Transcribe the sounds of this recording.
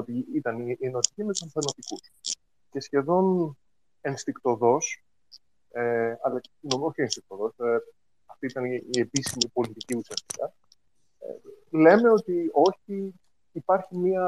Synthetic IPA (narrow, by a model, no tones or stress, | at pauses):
ot̪iit̪ɐnienot̪icint̪usɐɱfenot̪ikus | ce̞sçe̞ðo̞n | enst̪ikt̪o̞ðo̞s | eɐlɐinomoçienst̪ik̚t̪oðo̞se | ɐft̪iit̪ɐniie̞pisimipo̞lit̪iciusiɐst̪i̥k̪ɐ | ḛle̞me̞o̞t̪io̞çiː | pɐɾçimiɐ